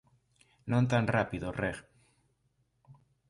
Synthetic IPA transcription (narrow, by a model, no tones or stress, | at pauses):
nõnt̪anrapiðoreɣ